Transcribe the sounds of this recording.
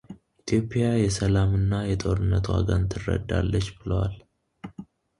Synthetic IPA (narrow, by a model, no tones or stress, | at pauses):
ʔit̪ʰjo̞pʼːjajɛsəlamɨnːajɛt̪ʼo̞ɾɨnːət̪wa̰ɡənt̪ʰɨrːə̰d̪ːa̰lːət͡ʃːbɨləwal